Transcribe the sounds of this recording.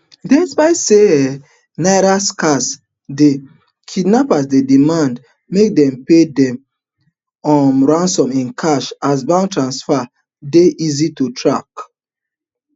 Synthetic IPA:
dɛ̃sbaɪse | naɪɾaskas | de | kʰidnapas̬dedimãnd | mek̚dɛ̃mpedɛ̃m | ɔmɹãnsɔ̃mĩnkʰaʃas̬bãntɹãnsfa | deʔizitutʰɹak

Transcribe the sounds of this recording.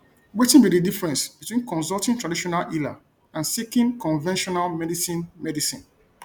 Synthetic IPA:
wetĩnbididifɹɛ̃nsbitwĩnkɔ̃nsɔltĩntɹadiʃɔnalʔila̰ | ãnsikĩnkɔ̃nvɛ̃nʃɔnalmɛdisĩnmɛdisḭ̃n

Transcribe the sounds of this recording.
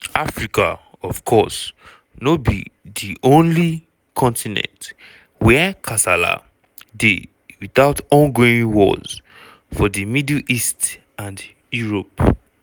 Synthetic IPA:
afɹika̰ | ɔvkʰɔs | nobḭðiʔõnli | kʰɔ̃ntʰinɛ̰̃nt | wɛkʰasala̰ | de | wiθaʊtɔ̃nɡoĩnwɔ̰z̥ | fɔðimidlist | ãnd | juɹop

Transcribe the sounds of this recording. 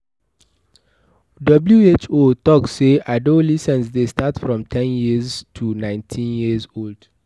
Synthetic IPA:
dʌbljuet͡ʃotɔkːeʔaɪdõlisɛ̃nsdestatfɹɔ̃mtʰɛ̃njiztʰunãɪ̃ntʰĩnjizold̥

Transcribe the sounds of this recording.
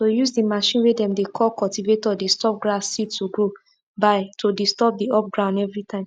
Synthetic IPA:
tojuzdimaʃĩnwedɛ̃mdekʰɔlkɔltivetɔdestɔp̚ɡɹasːitːuɡɹo | baɪtʰodistɔp̚diɔp̚ɡɹãʊ̃ndɛvɹitʰãɪ̃m

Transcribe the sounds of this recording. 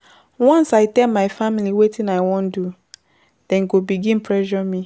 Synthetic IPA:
wɔ̃nsaɪtɛlmaɪfamiliwetʰĩnaɪwɔ̃ndu | d̥ɛ̃nɡobiɡĩnpʰɹɛʒɔmi

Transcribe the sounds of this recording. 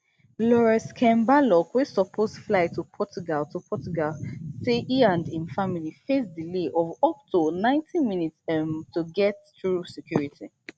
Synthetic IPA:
lɔɹɛskʰɛ̃mbalɔkwisɔpʰosflaɪtʰupʰɔt͡ʃuɡaltupʰɔt͡ʃuɡalseʔiãndĩnfamilifesdileʔɔvɔk̚tʰonãɪ̃ntʰĩnminitsɛmtuɡɛtθɹusɛkʰjuɹitʰi

